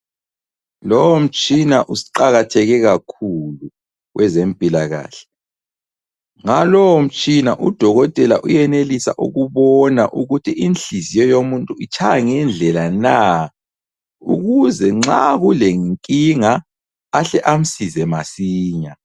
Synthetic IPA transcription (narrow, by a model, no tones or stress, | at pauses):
lowom̩t͡ʃʼinaʔusi̥ǃaɣatʰɛɣɛɣakʰulu | ɣwʔɛzem̩pʼilaɣa̰ːɬɛ̥ | ŋalɔwm̩t͡ʃʼina̰ʔud̥ʱɔɣɔtʼɛlaʔujɛnelisa̰ʔuɣuβɔna̰ʔuɣutʰiinɬizijɔjomuntʼuit͡ʃʰajaŋɛnd͡ɮʱɛlana | ṵɣuzɛŋ͡ǁaɣuleŋiŋkʼiŋaː | ɬɛʔam̩sizɛmasiːɲa